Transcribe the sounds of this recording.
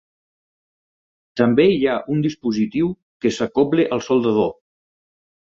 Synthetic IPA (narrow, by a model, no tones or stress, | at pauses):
t̪əmbeiaʔund̪ispuzit̪iw | kesəkɔpleʔəlˠsolˠd̪əð̞o